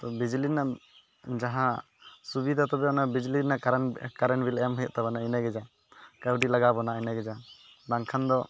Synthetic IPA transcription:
t̪ɔbid͡ʒlinaʔ | d͡ʒaɦã | subid̪at̪ɔbɛɔnabid͡ʒlinːaʔɾkaɾɛnbilaamɦəjɔʔt̪abɔnainaɡɛd͡ʒa | kawɖilaɡabɔnainaɡɛd͡ʒa | b̪aŋkʰand̪ɔ

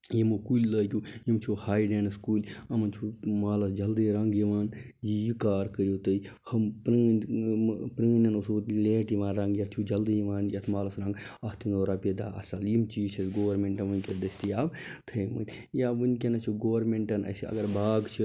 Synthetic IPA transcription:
jimukulʲləːkʲujimt͡ʃʰuhaːjɖeːnskuːlʲɐmɐnt͡ʃʰumaːlɐsd͡ʒɐld̪iɾɐŋɡjiʋaːn | jijikaːɾkəɾijot̪ɐi | hɐmpɾɐn | pɾɐːnʲɐnusoleːʈjiʋãːnɾɐŋɡjɐtt͡ʃʰud͡ʒɐld̪ijiʋaːnjɐt̪ʰmaːlɐsɾɐ̃ŋɡɐht̪ʰinoːɾaːped̪a̰ːɐ̰sɐljimt͡ʃiːt͡ʃʰɐsɡoːʋɐɾmeɳʈɐnʋɐnʲkʲed̪ɐsʲt̪ijaːbt̪ʰɐjmɐ̰t̪ʲ | jaːʋɨnkʲenɐt͡ʃʰuɡoːʋɐɾmeɳʈɐnɐ̰siɐ̰ɡɐɾbaːɡt͡ʃʰi

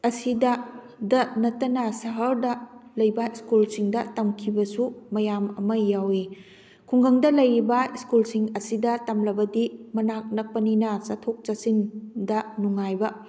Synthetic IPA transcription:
ɐsidɐ | dɐnɐtːɐnɐsɐɦɐɾdɐlɐjbɐiskulsiŋdɐtɐmkʰibɐsumɐjamɐmɐjawi | kʰuŋɡɐŋdɐlɐjɾibɐiskulsiŋɐsidɐtɐmlɐbɐdimɐnak̚nɐk̚pɐninɐsɐtʰok̚t͡ʃɐsindɐnuŋajbɐ

